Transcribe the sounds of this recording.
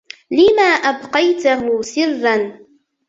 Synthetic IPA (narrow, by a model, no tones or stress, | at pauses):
lɪmaːʔabqɑjt̪ʊɦʊsɪrːan